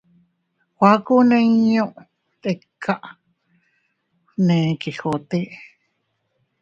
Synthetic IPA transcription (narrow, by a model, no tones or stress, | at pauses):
wʷakuneɲõʔ | t̪ʼekʰːaʔ | nẽkixot̪iʔ